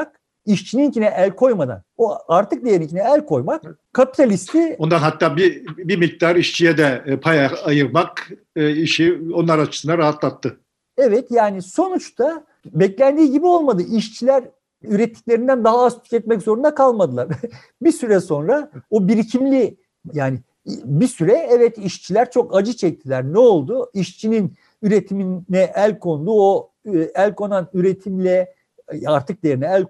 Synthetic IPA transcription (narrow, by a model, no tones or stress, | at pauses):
k̚ | iʃt͡ʃʰinincʰinɛʔælʲkʰo̞jmad̪a̰noaɾt̪ʰɯk̚d̪ijeɾincʰinɛælʲkʰo̞jmakkʰːapi̥t̪ʰalʲist̪ʰio̞nd̪anɦat̪ːaːbibimic̚t̪aɾiʃt͡ʃʰijɛd̪ɛpʰajaajɯɾmakː | iʃio̞nlˠaɾat͡ʃʰɯ̥sɯnaɾaɦat̪lˠat̪ʰːɯ | evɛt̪jaːniso̞nut͡ʃt̪ʰa | bɛclʲænd̪iːɟibio̞lˠmad̪ɯʔiʃt͡ʃʰilʲæɾ | yɾɛt̪ʰːi̥cʲlʲe̞ɾind̪ænd̪aɦaːzt̪ʰy̥cɛt̪̚mɛczo̞ɾund̪akʰalˠmad̪ɯlˠaɾ | bisyɾɛso̞nɾaobiɾicʰimlʲi | jaːni | bisyɾɛɛvɛt̪iʃt͡ʃʰilʲæɾt͡ʃʰo̞kad͡ʒɯt͡ʃʰɛc̚t̪ʰilʲæɾnɛo̞lˠd̪uiʃt͡ʃʰinin | yɾe̞t̪ʰiminːɛʔælʲkʰo̞nd̪uo | ælʲkʰo̞nanyɾe̞t̪ʰimlʲɛ | aɾt̪ʰɯk̚d̪eeɾinɛælʲ